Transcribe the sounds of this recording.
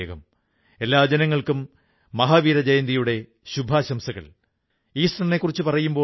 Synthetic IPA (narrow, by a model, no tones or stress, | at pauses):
ɐɣɐm | e̞lːaːd͡ʑɐnɐŋːɐɭkumː | ɐɦaːʋiːɾɐd͡ʑɐjɐnd̪ijuɽe̞ | ɕubʱaːɕɐmsɐɣɐ̰ɭ | iːsrɐɐnekːurit͡ɕːɨpɐrɐjumbo̞ː